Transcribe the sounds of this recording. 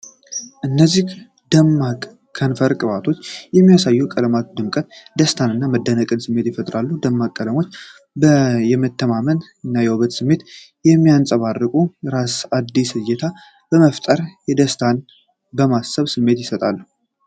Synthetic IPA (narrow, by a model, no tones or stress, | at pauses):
ʔɨnːəzːih | d̪əmːakʼʰː | ənfəɾkʼɨβat̪ʰo̞t͡ʃːjɛmːijasajːukʼələmat̪̚d̪ɨmkʼət̪d̪əst̪ʰanɨnːaməd̪ːənəkʼɨnsɨmːe̞t̪jɪfət̪ʼɾalːud̪əmːakʼːələmo̞t͡ʃː | bəjɛmət̪ːəmamən | ɨnːajɛwoβət̪sɨmːe̞t̪ | jɛmːijansʼəβarːɨkʼuɾasad̪ːisɨjɛt̪ʰa | b̥əməft̪ʼəɾjɛd̪əst̪ʰan | bəmasəβsɨmːe̞t̪jɪsət̪ʼalːu